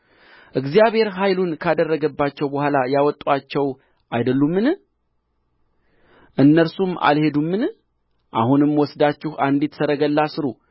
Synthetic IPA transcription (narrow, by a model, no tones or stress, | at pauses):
ʔɨɡzijaβhe̞ɾɦajlunkʰad̪ərːəɡəbːat͡ʃːɛwbəhʷalajawɔt̪ʼːwat͡ʃːɛw | ʔajd̪əlːumːɨn | ʔɨnːəɾsuma̰lhe̞d̪umːɨn | ʔa̰hunɨmwɔsd̪at͡ʃːɪhand̪it̪səɾəɡəlːasɨɾu